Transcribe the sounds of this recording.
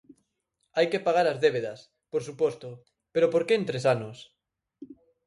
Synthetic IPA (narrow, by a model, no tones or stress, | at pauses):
ajkepaɣ̞aɾazðeβeðɐs | poɾsupɔst̪o | peɾopoɾkeːnt̪ɾesanos